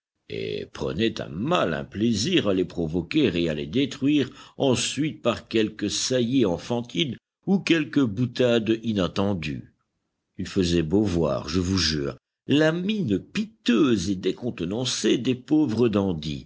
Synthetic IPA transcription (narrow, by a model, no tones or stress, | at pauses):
ḛpχə̰nɛt̪ɛ̰̃malɛ̰̃pleziʁalepχɔvɔkʲeʁealed̪et̪χwɥiʁɑ̃sɥit̪̚paʁkʲɛlkəsajeɑ̃fɑ̃t̪in | ukʲɛlkəbut̪ad̪inat̪ɑ̃d̪y̰ | ilfəzɛbovwa̰ʁʒəvuʒy̰ːʁ | laminpit̪øzed̪ekɔ̃t̪nɑ̃sed̪epovʁəd̪ɑ̃d̪ḭ